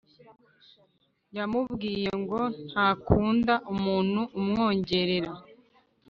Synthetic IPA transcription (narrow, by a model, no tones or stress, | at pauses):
jamubɡiːje̞ŋɡo̞nn̥hakuːndaʔumuːn̥huʔːmŋo̞ːɲɟe̞ɾe̞ɾa